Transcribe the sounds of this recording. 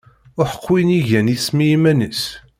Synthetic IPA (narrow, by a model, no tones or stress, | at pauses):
ʊħə̥qːwiniʝænismijimænəs